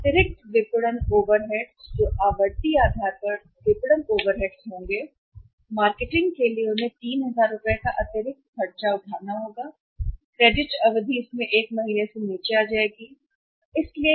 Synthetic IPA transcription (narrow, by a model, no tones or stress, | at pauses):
ɐt̪ɪɾɪk̚ʈ̪ʋɪpɽənoːʋəɾɦɛːɖsd͡ʒoːʔaːʋəɾd̪iaːd̪ʱaːɾpəɾ | ʋɪpɽənoːʋəɾɦɛːɖsɦõːŋɡeː | maːɾkeʈɪ̃ŋɡkelieʊnẽt̪iːnɦɐzaːɾːʊpekaʔɐt̪ɪɾɪk̚t̪fʰɐɽt͡ʃaʊʈ̪ʰaːɾnaɦoːɡaː | kɾeːɖɪʈɐʋəd̪ʱiɪsmẽʔeːkmɐɦiːneseniːt͡ʃiaːd͡ʒaːeːɡiː | ɪslie